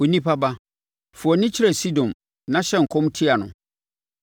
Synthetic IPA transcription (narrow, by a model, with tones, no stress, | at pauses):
o˨nĩ˦pʰa˦ba˦ | fʊ˨ɔ˨nɪ̃˦t͡ɕʰɪ˦ɾɛ˨si˦dɔ̃˨m | nã˦ɕɛ˦ŋ̩˨kʰɔ̃˦mtʰɪ˦a˨nʊ̰̃˨